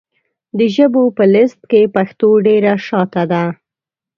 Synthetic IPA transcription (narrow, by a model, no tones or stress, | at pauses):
d̪əʒəbopəlɪst̪̚kepaxt̪oɖeɾaʃɑt̪ad̪a